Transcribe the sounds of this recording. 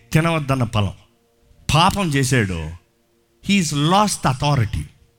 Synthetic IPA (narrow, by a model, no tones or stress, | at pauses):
t̪ɐnɐʋɐd̪ːɐnːɐpɐlɐ̰̃m | pʰaːpɐmt͡ʃeːs̬aːɽṵ | hiːzlɔːsʈd̪ɐt̪ʰɔːɾiʈḭ